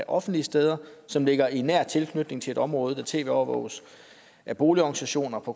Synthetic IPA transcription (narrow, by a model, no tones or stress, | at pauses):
æʔɒ̽fn̩d̥liəsd̥eːð̞ˠɐsɒ̽mle̝ɡ̥ɐinæɐ̰t͡sʰe̝lkʰnyd̥ne̝ŋt͡sʰe̝e̝ɾɒ̽mʁɔ̽ːð̞̩ˠd̥æt͡sʰe̝̰ːʋe̝ːɒʊɐʋɔ̰ʊ̰s | ʔæb̥o̝ːliɒɡ̥̩sæɕo̝̰ːnɐpʰɒ̽